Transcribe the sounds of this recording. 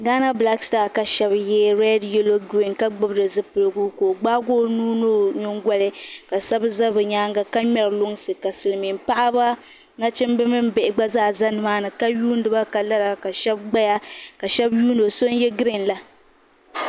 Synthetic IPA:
ɡaː˦na˦bla˦kstaː˦˨ka˨ʃɛ˦bjɛ˦ɾɛ˦djɛ˦lo˦ɡɾi˨nka˦ɡ͡bɨ˦bɨ˦dɨ˨zɨ˦pɨ˨lɨ˨ɡu˦ko˨ɡ͡ba˦ɡo˦nuː˦no˦ɲo˦ŋ˦ɡwa˦lɨ˦ka˨sa˦bɨ˦za˦bɨ˨ɲaː˦ŋɡa˦ka˦ɲɛ˨ɾlʊ˦ŋsɨ˨ka˨sɨ˨lɨ˨mi˨mpa˦ʔa˦ba˦ | na˦t͡ʃɪ˦mbɨ˦mɨ˦m˦bɛ˨ʔɪ˨ɡ͡ba˦zaː˦˨za˦nɨ˨maː˦nɨ˨ka˦juː˦n˦dɨ˨ba˦ka˨la˦ɾa˨ka˨ʃɛ˦bɡ͡ba˦ja˦ka˨ʃɛ˦bjuː˦no˨so˦njɛ˦ɡɾi˦˨nla˦

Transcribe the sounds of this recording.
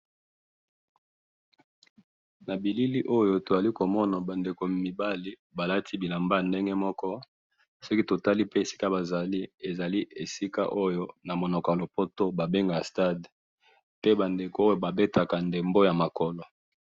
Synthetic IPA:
na˨bi˨li˦li˦ʔo˦jo˨to˨za˨li˦ko˨mɔ˦na˨ba˨nde˨ko˨mi˨ba˦li˦ | ba˨la˦tʰi˦bi˨la˨mba˦a˨nde˦ŋɡe˦mɔ˦kɔ˦ | so˦ki˦to˨ta˦li˦pe˦e˨si̥˦ka˦ba˨za˨li˦e˨za˨li˦e˨si˦ka̰˦ʔo˦jo˦na˨mo˨nɔ˨kɔ˨ja˨lo˨po˦to˦ba˨be˦ŋɡa˨ja˨sta˦˨d | pe˦ba˨nde˨ko˨o˦jo˦ba˨be˦ta˨ka˨nde˨mbo˦ja˨ma˨kɔ˨lɔ˨

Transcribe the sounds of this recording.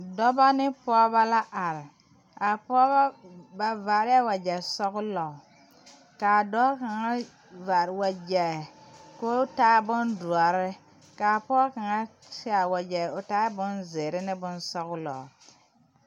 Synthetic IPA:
dɔ˦ba˦nɪ˦pɔː˦ba˦la˦ʔa˨ɾɪ˨ | a˨pɔː˦ba˦ba˨va˨ɾɪ˦a˦wa˨d͡ʒɛ˨sɔ˦ɣʊ˦lɔ˨ | kaː˨dɔ˦ka˨ŋa˦ | va˨ɾwa˨d͡ʒɛ˨ko˦taː˦bʊ˦ndu˨a˨ɾɪ˦ | kaː˨pɔː˦ka˨ŋa˦tɪ˦a˨wa˨d͡ʒɛ˨ʊ˨taː˦bʊ˦nzeː˨ɾɪ˦nɪ˦bʊ˦nsɔ˦ɣʊ˦lɔ̰˨

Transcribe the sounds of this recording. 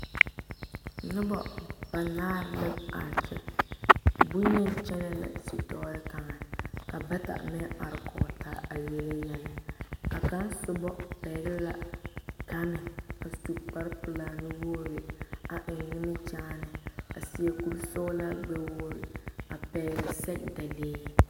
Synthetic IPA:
nʊ˦bɔ˨b̥a˨naː˦lɛ˦a̰˨nt͡ʃʰɛ̰˨ | bu˦ɲɛ˦nt͡ʃɛ˦nɛ˦la̰˨si˦tɔ˦ɾɪ˦ka˨ŋa˨ka˨ba˦ta̰˨mɛ˦ʔa̰˨ɾkɔː˨tʰa̰˦a˨jɛ˨lɛ˦jɛ˦nɪ˨a˨ka˦nsʊ˦bɔ˦pɛː˨ɡɛ˦la˨ka˦nɪ˨a˨su˨k͡pa˦ɾpʊ˨la˨nɪ˦wo˦ɾɪ˨a˨ʔɪ˨ɣɪ˦nɪ˦t͡ʃaː˦nɪ˨a˨sɪ˨ɛ˨ku˦lsɔː˦la˦ɡ͡bɛ˦woː˦ɾɪ̰˨a˨pɛː˨ɡɪ˨sɛ˦kda˨leː˦

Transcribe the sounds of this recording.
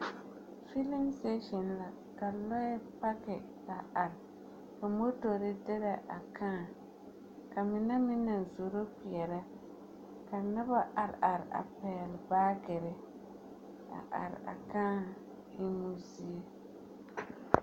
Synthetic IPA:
fi˦lɪ˦mse˦ʃɪ˨nla˨ | ka˨lɔ˦ɛ˦pa˦kɪ˨ | la˨ʔa˨ɾ | ka˨mo˦to˨ɾɪ˦dɪ˦ɾa˨ʔa˨kʰãː˦˨ | ka˨mɪ˨nɛ˦mɪ˦na˨n˨zo˨ɾo˦ki˨ɛ˨ɾa˦ | ka˨na˦ba˦ʔa˨ɾa˨ɾa̰˨pɛː˨lbaː˦ɡɪ˨ɾɪ˦ | a̰˨ʔa̰˨ɾ̰a̰˨kãː˦ | ɪ˦nu˦zi˦e˦

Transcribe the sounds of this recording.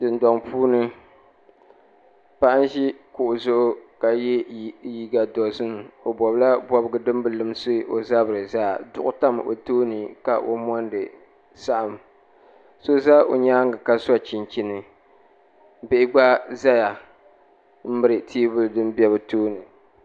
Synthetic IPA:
dɨ˨ndɔ˨ŋpʰuː˦nɨ˦ | pa˦ʔa˦n˦ʒi˦kʊ˨ʔʊ˨zʊ˦ʔʊ˦ka˨jɛ˦ji˦ɡa˨dɔ˨zɨ˦n˨o˨bɔ˨bla˦bɔ˦bɨ˦ɡɨ˦dɨ˦m˦bɨ˨lɨ˨m˦sɨ˦ʔo̰˨za˦bɨ˨ɾɨ˨zaː˦˨dʊ˦ʔʊ˦ta˦m˨ʔo̰˨toː˦nɨ˨ka˨ʔo̰˦mɔ˦ndɨ˨ | sa˦ʔa˨m | so˦za˦o̰˨ɲaː˦ŋɨ˨ka˦sa˦t͡ʃi˨nt͡ʃi˦nɨ˨ | bɪ˦ʔɪ˦ɡ͡ba˦za˦ja˨ | m̩˦mɨ˦ɾɨ˨tʰiː˦bʊ˦ldɨ˦m˦bi˦ɛ˦βɨ˨toː˦nɨ˨

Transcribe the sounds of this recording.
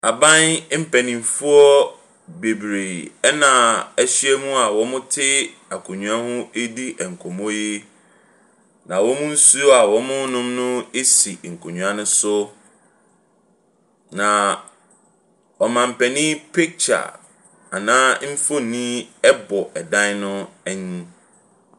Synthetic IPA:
a˨bã˦nm̩˦pʰɛ˨nĩ˨m˨fu˦ɔ˦ | be˨bɾe˨ɛ˦nã˨æ˦ɕi˦ɛ˦mũ˦a˨wɔ˦mʊ̃˦tʰɪ˦ | a˨kʰũ˨ɲũ˨a˦hʊ̃˦e˦di˦ɛ˨ŋ̩˨kʰɔ˨mɔ̃˦ji˦ | nã˨wɔ̃˦mʊ̃˦n̩˦su˦ɔ˦a˨wɔ̃˦mʊ̃˦nʊ̃˦mnʊ̃˦e˦si˨ŋ̩˨kʰo˨ɲᶣũ˨a˦nʊ̃˦sʊ˦ | nã˨ | ɔ˨mã˨m̩˨pɛ˨nĩ˦pʰe˦k̚t͡ɕʰa̰˨ | a˨nãː˦m̩˦fo˦˨nĩ˦ɛ˦bɔ˨ʔɛ˨dã˦n˦nʊ̃˦ɛ˦ɲĩ˦

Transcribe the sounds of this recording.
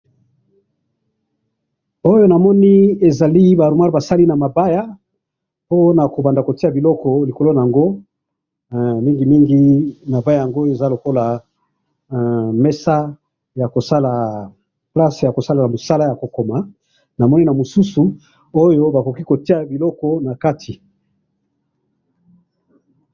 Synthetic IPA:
o˦jo˦na˨mɔ˦ni˦e˨za˨li˦ba˨ɾu˨ma˦ʁba˨sa˦li˦na˨ma˨ba˦ja˦ | po˦na˨ko˨ba˨nda˨ko˨ti˦a˨bi˨lɔ˦kɔ˨li˨ko˨lo˦na˨a˨ŋɡo˦ | mi˦ŋɡi˨mi˦ŋɡi˦ma˨ba˦ja˨ja˨ŋɡo˦e˨za˦lo˨ko˦la˨ | me˦sa˦ | ja˨ko˨sa˦la˨ | pla˦sja˨ko˨sa˦la˨na˨mo˨sa˦la˦ja˨ko˨ko˨ma˨ | na˨mɔ˦ni˦na˨mo˨su˦su˨ | o˦jo˦ba˨ko˨ki˦ko˨ti˦a˨bi˨lɔ˦kɔ˦na˨ka˦tʰi˨

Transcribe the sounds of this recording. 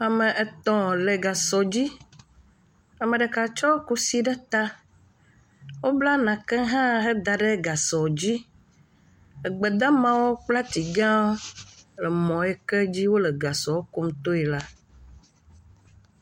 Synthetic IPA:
a˨mə̃˨ʔɛ˨t̪ɔ̃˨lɛ˨ɡa˨sɔ˨d͡ʑi˦ | a˨mə̃˨ɖə˨ka˨t͡ʃɔ˦ku˦si˦ɖɛ˦t̪a˦ | wo˦bla˦nã˨kɛ˦ɦã˦ɦɛ˦d̪a˨ɖɛ˦ɡa˨sɔ˨d͡ʑi˦ | ə˨ɡ͡bɛ˨d̪ã˦mã˦wo˦k͡pla˦t̪i˨ɡã˦lɛ˨mɔ̃˨ɛ˦kɛ˦d͡ʑi˦wo˦lɛ˨ɡa˨sɔ˨wo˦ku˦m˦t̪o˦ɛ˨la˦

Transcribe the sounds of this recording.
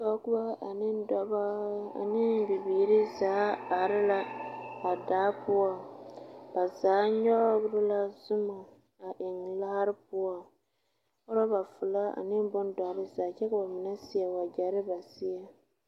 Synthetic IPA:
ba˨˦kʊ˦ba˦a˨nɪ˦dɔ˦ba˦a̰˨nɪ˦bi˨biː˨ɾɪ˦zaː˨˦a˨ɾɪ˦la˦a˨daː˨˦pʊ˦ɔ˦ | b̥a˨zaː˨˦ɲɔ˦ɡɾɪ˦la˦zʊ˦ma˨ | a˨ʔɪ˨ŋla˦ha˦ɾɪ˦pʊ˦ɔ˦˨ | o˦ɾɔ˦ba˨fʊ˨la˦a̰˨nɪ˦mbʊ˦n˦dɔ˨˦ɾɪ˦zaː˨˦t͡ʃɛ˦ka˨ba˨mɪ˨nɛ˦sɪ˦jɛ˨wa˨d͡ʒa˨ɾɪ˦ba˨sɪ˦ɛ˨

